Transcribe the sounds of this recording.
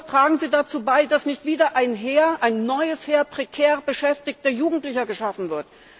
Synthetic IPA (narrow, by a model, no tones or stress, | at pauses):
tʁ̥aːɡŋ̩ziːdat͡suːbaɪdasnɪçtv̥iːdɐʔaɪnɦeːɐʔaɪnːɔʏəsheːɐpʁ̥ekʰɛːʁbəʃɛftɪçtd̥eːɐjuːɡŋ̩tlɪçɐɡəʃafn̩vɪɐt